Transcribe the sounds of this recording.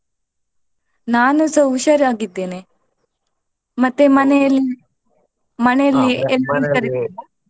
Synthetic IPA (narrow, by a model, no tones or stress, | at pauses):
naːnusɐwʃɐɾjaːɡid̪ːeːne | mɐt̪ːemɐnɛɐlːi | mɐnɛjɐlːielint̪ɐɾid̪eːni